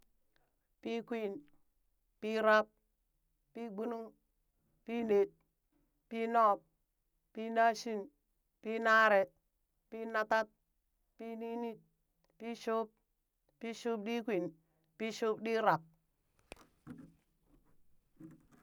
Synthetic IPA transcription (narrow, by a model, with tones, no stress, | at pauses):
pi˦kwi˦˨n | pi˦ɾa˦p̚ | pi˦ɡ͡bu˦nu˦ŋ | pi˦ne˨t̚ | pi˦nɔ˦˨p̚ | pi˦na˦ʃi˦n | pi˦na˦ɾe˨ | pi˦na˦ta˦t̚ | pi˦ni˦ni˦t̚ | pi˦ʃo˦p̚ | pːi˦ʃu˦p̚ɗi˦kʷi˨n | pi˦ʃo˦pɗi˦ɾa˨p̚